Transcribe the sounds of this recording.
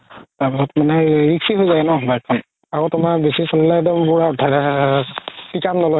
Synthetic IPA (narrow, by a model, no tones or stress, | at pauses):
taɹpisɔtmanɛɹiksiɦojzaɛnɔbajt̚kʰːɔn | aɡotʊmaɹbesisɔllajdɛmpʊɹadʱadɛɛ | pikamnɔlɔj